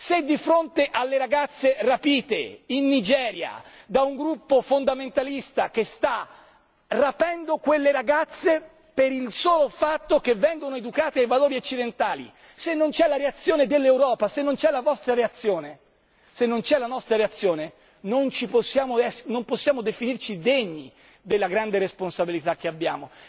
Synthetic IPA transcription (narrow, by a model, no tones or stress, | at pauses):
sed̪ːifɾont̪eʔalːeɾaɡat̪sːerapiːt̪ḛinːid͡ʒɛːɾja̰d̪auŋɡɾupːofond̪ament̪alist̪ak̟est̪a | rapɛnd̪okwelːeɾaɡat̪sːe | peɾilsoːlofat̪ːok̟evːɛŋɡonoed̪ukaːt̪eajvaloːɾiot͡ʃːid̪ent̪aːlḭ | senːont͡ʃɛlːaɾeat̪sːjoːned̪elːewɾɔːpasenːont͡ʃɛlːavɔst̪ɾaɾeat̪sːjoːne | senːont͡ʃɛlanɔst̪ɾaɾeat̪sːjoːne | nont͡ʃiposːjaːmoɛsnomposːjaːmod̪efinirt͡ʃid̪eɲːi | d̪elːaɡɾand̪eɾesponsabilit̪ak̟ːeabːja̰ːmo